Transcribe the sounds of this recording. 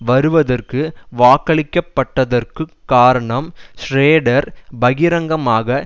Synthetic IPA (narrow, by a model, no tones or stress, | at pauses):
ʋɐɾɯʋɐðɐrkɯʋaːkɐɭɪkːɐpːɐʈːɐðɐrkɯkːaːɾɐɳɐmsɾeːɽɐɾbɐɣɪɾɐŋɡɐmaːɣɐ